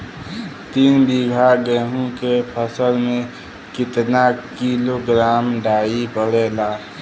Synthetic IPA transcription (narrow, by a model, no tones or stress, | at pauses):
t̪iːnbiɡʱaɡɛːɦũkepʰəsəlmẽ | kɪt̪nakiloɡɾaːmɖaːipəɽeːlaː